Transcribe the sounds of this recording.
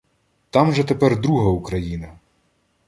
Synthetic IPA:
t̪ɑmʒɛt̪epɛrd̪ɾuɦɐukɾɐjinɐ

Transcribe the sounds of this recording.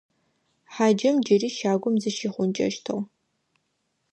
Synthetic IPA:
ħaːd͡ʒɐmd͡ʒɐriːʃaːɡʷʊmzɨʃiχʷʊnt͡ʃʼɐ̰ʃtʰɐw

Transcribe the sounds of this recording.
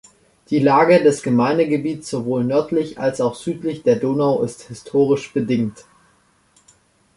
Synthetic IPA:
d̥iːlaːɡədɛsɡ̥əmaɪndəɡəbiːtt͡ssz̥ovoːlnœɐtlɪça̰lsaʊxz̥yːtlɪçd̥eːɐdoːnaʊʔɪsthɪstʰoːʁ̞ɪʃb̥ədɪŋt

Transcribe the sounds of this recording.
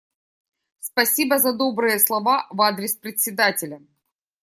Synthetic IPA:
spɐsʲibəzɐd̪o̞bɾɨjəslˠɐvavad̪ɾʲɪspɾʲɪsʲɪd̪atʲɪlʲə

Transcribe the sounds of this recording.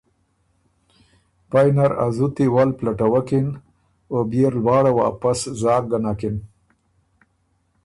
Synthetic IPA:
pajnaɾa̰zut̪iwalplaʈawakɪn | objeɾlwɑːɽawa̰ːpaszɑːk̚ɡanakɪn

